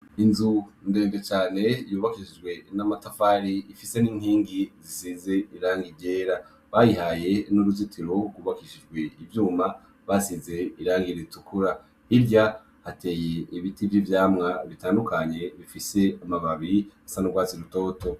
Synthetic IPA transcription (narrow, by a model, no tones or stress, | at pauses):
inzunde̞ːndet͡ʃaːne̞juːβakiʃid͡ʒɡwe̞namatafaɾiifise̞niːŋhiːŋɡizisize̞iɾaːŋɡiɟe̞ːɾa | βajihaje̞nuɾuzitʰiɾoɡuːβakiʃid͡ʒɡwe̞ivjuːma | βasize̞iɾaːŋɡiɾetukuɾa | iɾɟa | hate̞ːje̞iβitivjivjaːmŋaβitaːndukʰaɲe̞βifise̞amaβaβiɾiasanuɡwaːt͡siɾuto̞ːto̞